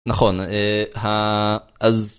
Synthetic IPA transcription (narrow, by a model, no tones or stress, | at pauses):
naχo̞nehaʔaz